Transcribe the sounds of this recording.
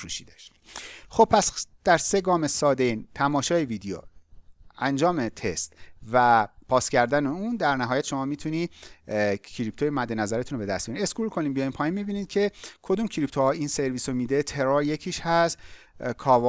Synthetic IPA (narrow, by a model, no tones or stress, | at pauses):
fɾuʃiːd̪æʃ | xo̞b̥̚pʰːæsd̪̥æɾse̞ɡɒːmesɒːd̪ent̪ʰæmɒːʃɒːjeviːd̪ejo̰ | ænd͡ʒɒːme̞t̪ʰest̪væpʰɒːscæɾd̪æneuːnd̪æɾnæɦɒːjæt̪ʃo̞mɒːmiːt̪ʰuniː | cʰiɾipt̪ʰojemæd̪ːe̞næzæɾet̪ʰunbe̞d̪æst̪binieskuːlkʰo̞niːmbijɒjimpʰɒːinmibiːniːd̪̚cʰe̞kʰo̞d̪umcʰiɾip̚t̪ʰoɒːiːnse̞ɾviːsomiːd̪et̪ʰe̞ɾoɾje̞cʰiːʃhæs | kʰɒːv